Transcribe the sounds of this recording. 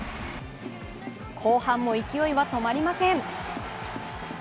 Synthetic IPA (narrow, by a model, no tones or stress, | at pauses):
kʰo̞ːhãmːo̞ikʲijo̞iβat̪o̞maɾʲimasẽ̞ŋ